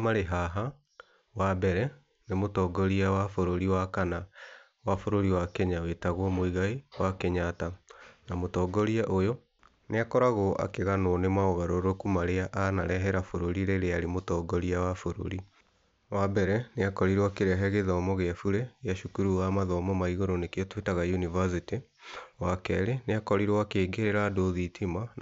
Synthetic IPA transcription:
maɾeɦaɦa | wabɛɾɛ | nemotɔːɡɔɾiawafoɾoɾiwakana | wafoɾoɾiwakɛɲawetaɣwɔmoiɣaiwakɛɲatanamotɔːɡɔɾiaʔojɔ | neakɔɾaɣoʔa̰keɣanwɔnemaɔɣaɾoɾokumaɾeaʔanaɾɛɦɛɾafoɾoɾiɾeɾeaɾemotɔːɡɔɾiawafoɾo̰ɾi | wabɛɾɛneakɔɾiɾwakeɾɛɦɛɣeðɔmɔɣeafuɾeɣaʃukuɾuwamaðɔmɔmaiɣoɾɔnekeɔtwetaɣajunivas̬iti | wakɛɾeneakɔɾiɾwakeːɡeɾeɾadoðitʰima

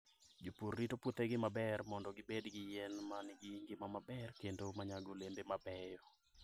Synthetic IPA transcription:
d͡ʒopurːitoput̪eɡɪmabɛrmɔndɔɡɪbedɡɪjɛnmanɡɪŋɡɪmamabɛrkendomaɲaɡolendemabɛjɔ

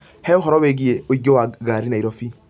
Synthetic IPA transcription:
hɛoɦɔɾɔbeɡieoiɟowaɡaɾinaiɾɔfi

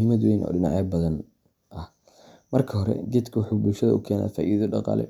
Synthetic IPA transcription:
imɐd̪wejnʔɔ̰ːɖɪnɑʕɛbɐðɐn | ʔɐh | mɐrkʰɐɦɔɾɛ̰d͡ʒɪd̪kʰɐwʊħuːbʊlʃɐðɐʊkʰɛːna̰ːfaːʔiːðɐɖɑqɑ̰ːlɛ̰

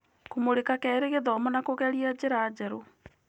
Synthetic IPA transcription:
komoɾekakɛɾeɣedɔmɔnakoɣɛɾiad͡ʑeɾad͡ʑɛɾo

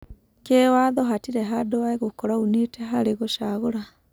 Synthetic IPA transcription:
keːwaðɔɦatiɾeɦadowaeɣokɔɾauneteɦaɾeɣoʃaɣoɾa

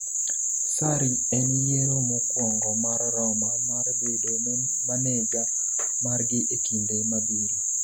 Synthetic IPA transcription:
saɾi | ɛnjeɾomokwɔŋɡɔmarːɔmamarbeden | maneɡa | marɡɪʔekindemabiɾi

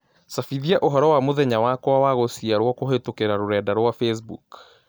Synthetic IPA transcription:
safiðiaʔoɦɔɾɔwamoðɛɲawakwawaɣosiaɾwɔkoɦetokeɾaɾoɾɛdaɾwafes̬bṵk

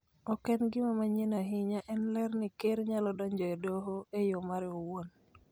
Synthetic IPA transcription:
ɔkɛnɡɪmamaɲenaɦɪɲaʔɛnlɛrnɪkeɾɲalɔdɔɲd͡ʒɔedoɦoejomaɾowon

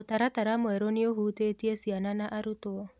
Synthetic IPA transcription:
otaɾataɾamwɛɾonioɦutetiesiananaʔaɾutoɔ

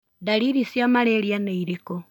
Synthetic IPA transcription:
daɾiɾisjamaɾeɾjaneiɾeko

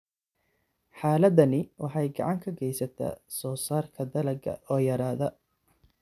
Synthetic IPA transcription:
ħaːlɐd̪ɐnɪwɑħɑjɡɑ̰ʕɑŋkʰɐɡɛjsɐt̪ʰa̰ːsɔːsaːrkʰɐd̪ɐlɐɡɐ̰ʔɔːjɐɾaːðɐ

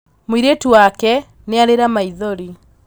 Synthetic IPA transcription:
mwiɾetuwakɛ | neaɾeɾamaiðɔɾi

